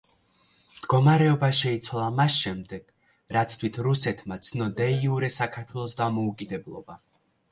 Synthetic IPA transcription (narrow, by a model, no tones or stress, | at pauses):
md̪̥ɡɔmaɾɛɔbaʃɛit̪sʰwalˠamasʃɛmd̪ɛɡ̥ | ɾat̪sʰt̪ʰwit̪ʰɾusɛt̪ʰmat̪sʰnɔd̪ɛiuɾɛsakʰaɾt̪ʰwɛlˠɔsd̪amɔukʼid̪ɛblˠɔ̰ba